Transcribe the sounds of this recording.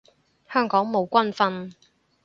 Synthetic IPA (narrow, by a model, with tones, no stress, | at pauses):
hœː˥ŋkɔː˨˥ŋmo˨˧wkʷɐ˥nfɐ˧n